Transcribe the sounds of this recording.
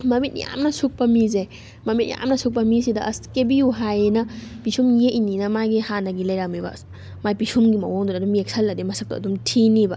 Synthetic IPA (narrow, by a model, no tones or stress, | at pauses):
mɐmit̚ja̰mnɐsuk̚pɐmize | mɐmit̚ja̰mnɐsuk̚pɐmisidɐʔɐskebiuɦajnɐpisumjeʔininɐmaɡihanɐɡilɐjɾamibɐ̰ | majpisumɡimɐ̰woŋdudɐdumiek̚sʰɐlːɐdimɐsɐk̚tɐɐ̰dumtʰinibɐ